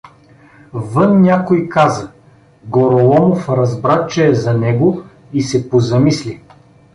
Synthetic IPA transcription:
vɤnnʲakojkazɐ | ɡoɾolˠɔmofɾɐzbɾat͡ʃɛːzɐnɛɡo | isɛpozɐmisli

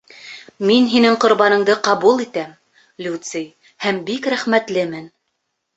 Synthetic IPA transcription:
minɦinɘŋqŏɾbɑnɤ̆ɴd̪ɤqɑβulˠit̪æm | lʲut̪sɨj | hæmbikɾæχmæt̪lɘmɘn

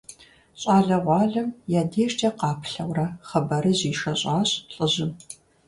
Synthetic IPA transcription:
ɕʼɑːɮɐʁʷɑːɮɐmjaːdeːʃtʰʼɐqɑːpʰɬɐwrɐχɐbɐɾɨʑiːʂɐɕʼɑːɕʼɬʼɨʑɪm

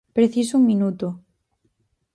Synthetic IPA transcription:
pɾeθisouŋmĩnut̪o

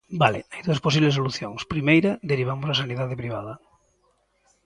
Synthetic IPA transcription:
balɪ̰ajd̪uɐsposiβles̬oluθjoŋspɾimejɾɐd̪eɾiβ̞amozɐsaniðaðɪpɾiβ̞a̰ðɐ

